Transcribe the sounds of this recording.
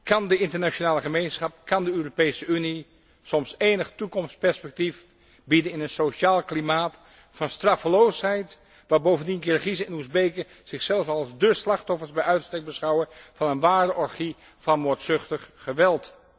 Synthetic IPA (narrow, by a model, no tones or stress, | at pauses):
kɑndəɪntəɹnat͡ʃonaːləχəmejnsχɑp̚kɑndəøːropejsəyni | sɔmseːnəχtukɔmspɛɹspɛk̚tif | bidənɪnənsoʃaːlˠklimaːt | fɑnstrɑfəlowsɦɛjt | ʋaːbowvəndinənkɪːrəχizəɪnuzbejkə | z̥ɪxsɛlˠəfɑlˠzdəslɑχtɔfəɹsbɛjœɥtstɛk̚bəsχɑwəv̥ɑnənʋaːɹdəʔɔɹχi | fɑnmoɹtsʏχtəχːəʋɛlˠt